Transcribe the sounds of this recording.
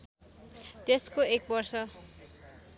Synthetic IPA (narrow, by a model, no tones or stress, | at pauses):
t̪eskoek̚bʌrsʌ